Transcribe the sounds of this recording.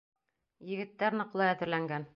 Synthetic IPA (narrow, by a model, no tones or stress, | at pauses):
jɘ̆ɡɘ̆t̪ːæɾnɤ̆qlˠɤæðɘ̆ɾlæŋɡæn